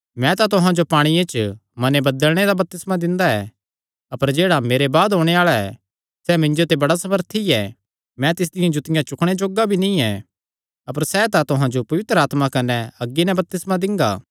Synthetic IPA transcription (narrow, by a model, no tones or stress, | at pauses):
mɛ̃t̪at̪ʊɦãd͡ʒopaːɽ̃iet͡ʃmɐnebɐd̪əlɽ̃ed̪abɐp̚t̪ɪsmãd̪ɪ̃nd̪aɛ | ɐpəɾd͡ʒeːɽameːɾebaːd̪ɦoːɽ̃eaːɭaɛ̰ | sɛmɪ̃nd͡ʒot̪ebɐɽasɐməɾt̪ʰiɛ | mɛ̃t̪ɪs̬d̪ɪjãd͡ʒʊt̪ɪjãt͡ʃʊkʰɽ̃ed͡ʒoːɡabʱinĩɛ̃ | ɐpəɾsɛt̪at̪ʊɦãd͡ʒopɐʋɪt̪ɾəaːt̪makɐnɛɐɡːinɛ̃bɐp̚t̪ɪsmãd̪ɪ̃ŋɡa̰ː